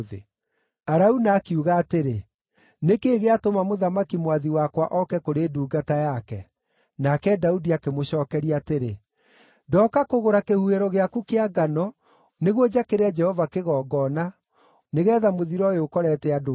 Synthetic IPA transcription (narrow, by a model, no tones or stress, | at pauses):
ðḛ | aɾaunaːkiuɣaːteɾe | nekeːɣeatomamoðamakimwaðiwakwaʔɔkɛkoɾeːduːɡatajakɛ | nakɛdaudiakemoɕɔːkɛɾiateɾe | dɔkakoɣoɾakehuheɾɔɣeakukeaɡanɔ | neɣwɔd͡ʒakeɾead͡ʒɛhɔvakeɣɔːɡɔna | neɣɛːðamoðiɾɔeokɔɾɛtɛado